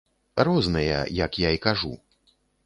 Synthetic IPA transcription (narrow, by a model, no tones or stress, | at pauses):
rɔznɨjɐ̰jɐkjaikaʐṵ